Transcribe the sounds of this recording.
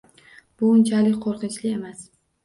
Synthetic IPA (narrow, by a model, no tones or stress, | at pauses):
b̥ʊnt͡ʃʰalɪkʲqʰoɾqɨnt͡ʃlɪe̞mas